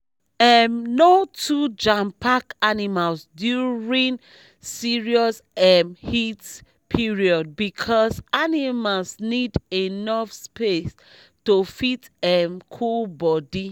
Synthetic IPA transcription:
ɛmnotʰud͡ʒãmpakanimalsdjuɹĩn | siɹiɔs | ɛmhit | pʰiɹiɔd̚bikʰɔsanimalsnidenɔfspes | tofit | ɛmkʰulbɔdi

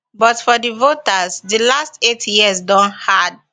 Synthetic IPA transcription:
bɔtfɔdivotəzdilastetʰjizdɔ̃nhad̚

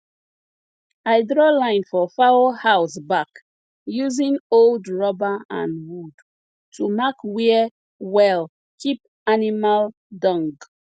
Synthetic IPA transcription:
ajdɹɔlãɪ̃nfɔfawohaʊsbak | juzĩŋoldɹɔbaã̰nwud | tʰumakwi | wɛl | kʰip̚ | animal | dɔ̃ŋɡ

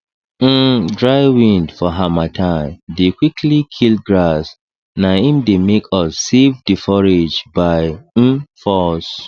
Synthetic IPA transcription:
dɹaɪwĩndfɔɦamatʰãɪ̃mdekwikʰlikʰilɡɹas | naĩmdemekɔsːevdifɔɹed͡ʒbaɪ | fɔs

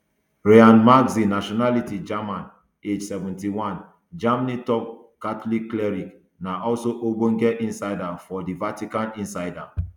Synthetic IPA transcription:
ɹeãnmaɡzinaʃɔnalitid͡ʒamãn | ed͡ʒsɛvɛ̃ntiwãn | d͡ʒamanitɔp̚ | katlikːlɛɹik | naʔɔlsoʔoɡ͡bõŋɡɛʔĩnsaɪdafɔdivatikãnĩnsaɪda

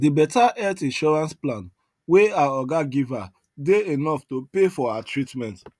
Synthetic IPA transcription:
dibɛtaʔɛtĩnʃɔɹãnsplãn | weaɔɡaɡiva | deenɔftopefɔatɹitmɛ̃nt

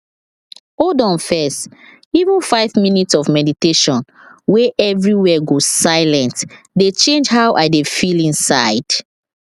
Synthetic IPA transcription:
odɔ̃nfɛst | ivə̃nfaɪvminitsɔvmɛditeʃɔ̃n | weʔɛvɹiwɛɡozsaɪlɛ̃nt | det͡ʃẽnd͡ʒɦawʔaɪdefilĩnsaɪd̥

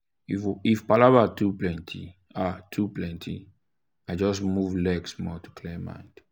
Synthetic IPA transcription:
iifpalavatuplɛ̃ntʰḭ | atʰuplɛ̃ntʰḭ | aɪd͡ʒɔs̬muvlɛksmɔtu̥kʰlemːã̰ɪ̃nd̥

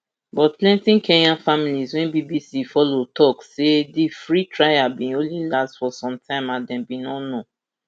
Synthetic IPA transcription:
bɔt̚plɛ̃ntĩnkɛnãnfamilizwɛ̃nbibisifɔlotʰɔksedifɹitɹajabĩõnlilastfɔsɔ̃mtʰãɪ̃mãdɛ̃mbinɔno

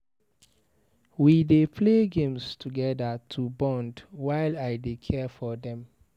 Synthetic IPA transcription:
widepʰleɡẽmstʰuɡɛdətʰubɔ̃ndwaɪlaɪdekʰɛfɔdɛ̃m

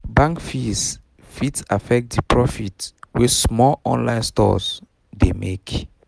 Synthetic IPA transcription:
bãŋkfis | fitafɛk̚t̚dipʰɹɔfitwɛsmɔɔ̰̃nlãɪ̃nstɔ̰s | demek

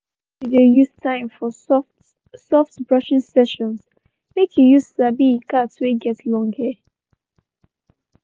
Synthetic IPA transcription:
idejustʰãɪ̃mfɔsɔft | sɔftbɹʌʃɪ̃ŋsɛʃɔ̃ns | mekjujussabikatweɡɛtlɔ̃ŋɡə

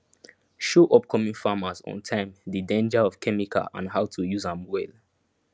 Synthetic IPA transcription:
ʃoʔɔp̚kʰɔmĩŋfamazɔ̰̃ntʰãɪ̃mdidẽnd͡ʒaɔv̥kʰɛmikʰa̰ʔã̰nɦaʊtʰujuzãmwɛl

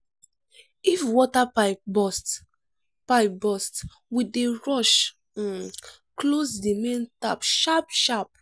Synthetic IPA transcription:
ifwɔtapabɔst | paɪpbɔst | wideɹɔʃ̩ | klosdimẽntapʃap̚ʃap̚

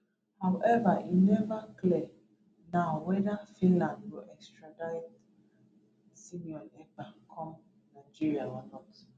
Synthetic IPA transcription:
hawʔɛvainɛvakle | nawɛdafĩnlãndboʔɛkstɾadaɪt | simiɔnɛk͡pakʰɔm | naɪd͡ʒiɾiaɔnɔt

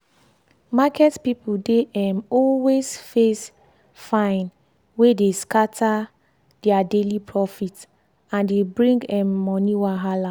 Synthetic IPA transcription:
makɛtpipudeɛmɔlwesfes | fãɪ̃n | wedeskatʰa | d̥ɛadelipʰɹɔfit | ãndebɹĩŋɡɛmːɔniwaɦala

